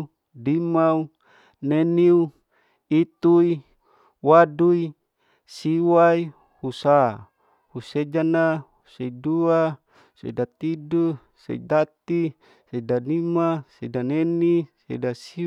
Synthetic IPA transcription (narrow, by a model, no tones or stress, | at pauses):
dimau | neniu | it̪ui | wadui | siwai | husa | hused͡ʒanahuseidua | sḛdat̪idu | sḛidat̪i | sedanimasedanenisḛdasi